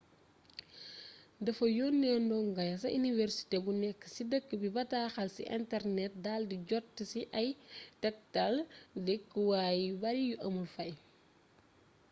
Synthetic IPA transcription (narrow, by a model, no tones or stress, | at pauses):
dɐfɐjɔːnːɛːndɔŋɡɐjɐsɐ̰ʔinivɛrsi̥tebunɛkːə̥sidəkːəbibɐtaːxɐlsḭʔɛ̰ntɛɾnɛt̚daːldiɟɔtːəsiʔɐjtɛk̚tɐldɛkːəwaːjbɐɾijuʔɐmulfɐj